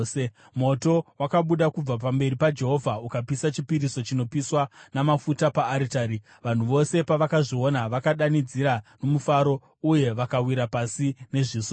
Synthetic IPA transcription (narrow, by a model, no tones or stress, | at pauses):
se | mo̞to̞wakaɓuɗakub͡vap̬ambe̞ɾipad͡ʒe̞ɦo̞vʱaukapisat͡ʃipiɾiso̞t͡ʃino̞piswanamafutapaːɾitaːɾi | ʋan̤uʋo̞se̞paʋakaʐio̞naʋakaɗanid͡ziɾano̞mufaɾo̞ | uje̞ʋakawiɾapasine̞ʐiːso